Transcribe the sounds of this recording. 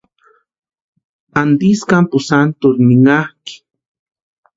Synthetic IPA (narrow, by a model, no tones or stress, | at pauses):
and̪iskampʊsant̪ʊɾnɪŋahki̥